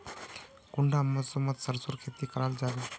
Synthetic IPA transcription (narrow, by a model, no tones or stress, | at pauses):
kuɳɖʱamːəsomːət̪səɾsoɾkʰet̪iːkəɾald͡zaʋi